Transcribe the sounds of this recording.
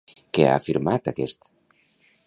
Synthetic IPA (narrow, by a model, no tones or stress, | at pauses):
kea̰fiɾmat̪akɛst̪